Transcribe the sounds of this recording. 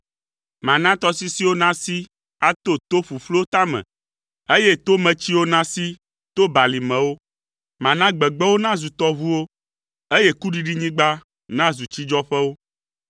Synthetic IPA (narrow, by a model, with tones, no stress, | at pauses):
mã˨nã˦t̪ɔ˦si˦si˦wo˦nã˦si˦ | a˦t̪o˦t̪o˦ɸu˨flo˦t̪a˦mɛ̰̃˨ | e˦je˦t̪o˦mɛ̃˨t͡ɕi˦wo˦nã˦si˦ | t̪o˦ba˨li˨mɛ̃˨wo˦ | mã˨nã˦ɡ͡bɛ˨ɡ͡bɛ˦wo˦nã˦zu˨t̪ɔ˦βu˦wo˦ | e˦je˦ku˦ɖi˦ɖi˦ɲĩ˦ɡ͡ba˦ | nã˦zu˨t͡ɕi˦d͡ʒɔ˦ɸɛ˦wo˦